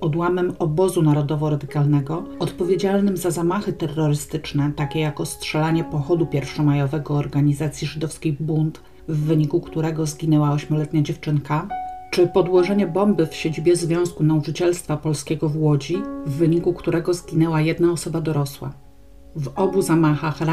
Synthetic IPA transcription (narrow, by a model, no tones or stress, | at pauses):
ɔd̪wamɛmɔbɔzunaɾɔd̪ɔvɔɾad̪ɘkalnɛɡɔɔt̪pɔvʲjed͡ʑalnɘmzazamaxɘt̪ɛrːɔɾɘst̪ɘt͡ʂnɛt̪akʲɛjakɔstʂɛlaɲɛpɔxɔd̪upʲjɛɾfʂɔmajɔvɛɡɔːɾɡaɲizat̪sʲjiʐɘd̪ɔfskʲejbunt̪ | vːɘɲikukt̪uɾɛɡɔzɡʲinɛwaɔɕmʲɔlɛt̪ɲad͡ʑɛft͡ʂɘnkat͡ʂɘpɔd̪wɔʐɛɲɛbɔmbɘfɕed͡ʑibʲjɛzvʲjɔ̃w̃skun̪aut͡ʂɘt͡ɕɛlst̪fapɔlskʲɛɡɔvwɔd͡ʑivːɘɲikukt̪uɾɛɡɔzɡʲinɛwajɛd̪naɔsɔbad̪ɔɾɔswa̰ | vɔbuzamaxaxɾa